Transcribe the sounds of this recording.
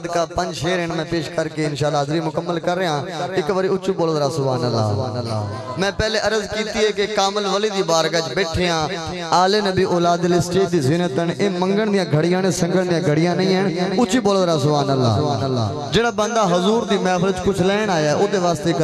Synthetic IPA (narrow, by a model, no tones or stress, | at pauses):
d̪kaːpəɲd͡ʒʃʰeːɾeːɳmɛ̃ːpeːʃkəɾkeːɪnʃaːlaːd̪ɾiːmʊkəmːəlkəɾːeːãːɪkʋəɾiːʊt͡ʃːiːboːləd̪ɾaːsʊbaːnəlːa̰ː | mɛ̃ːpɛːleːʔəɾəzkiːt̪iːɦɛːkekaːməlʋəliːd̪iːbaːɾɡəd͡ʒbeːʈʰeːãː | aːleːnəbiːʔoːlaːd̪əlisʈeːd̪iːzɪnət̪əɳeːmə̃ŋɡəɳd̪ɪjãːɡʱəɽɪjãːneːsə̃ŋɡəɳd̪ɪjãːɡʱəɽɪjãːnə̃ĩːɦəɳʊt͡ʃːiːboːləd̪ɾaːsʊbaːnəlːa̰ːlːa̰ː | d͡ʒeːɽaːbə̃nd̪aːɦʊzuːɾd̪iːmɛ̃ːpʰəlt͡ʃkʊt͡ʃʰlɛːɳaːjaːʔoːd̪eːʋaːst̪eː